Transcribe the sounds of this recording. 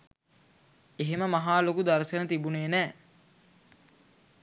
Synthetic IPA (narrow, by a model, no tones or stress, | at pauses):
eɦeməmaɦaːlokud̪aɾsənət̪ibuneːnɛː